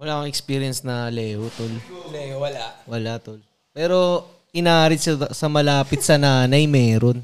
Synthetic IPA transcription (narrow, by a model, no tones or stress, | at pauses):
wɐlaːkɐŋɛkspiːɾijɐnsnɐlɛːot̪ollwɐlawɐlat̪ol | pɛːɾo̞ | ʔɪnaaːɾɪsɐsɐmɐlaːpɪt̪̚sɐnaːnɐjmɛːɾon